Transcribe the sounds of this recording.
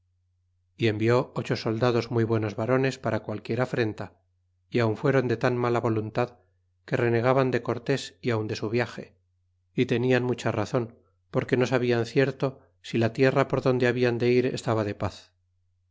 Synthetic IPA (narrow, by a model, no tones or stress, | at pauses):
ie̞mbio̞ot͡ʃo̞so̞ld̪að̞o̞zmuijβwe̞no̞zβaɾo̞ne̞spaɾakwalkje̞ɾafɾe̞nt̪a | iauɱfwe̞ɾo̞nd̪e̞t̪anmalaβo̞lunt̪að | ke̞re̞ne̞ɣ̞aβand̪e̞ko̞ɾt̪e̞siawnd̪e̞suβ̞jaxe̞̰ | it̪e̞nianmut͡ʃaraθo̞n | po̞ɾke̞no̞saβianθje̞ɾt̪o̞ | silat̪je̞rapo̞ɾðo̞nd̪eaβiand̪e̞iɾe̞̰st̪aβaðe̞paθ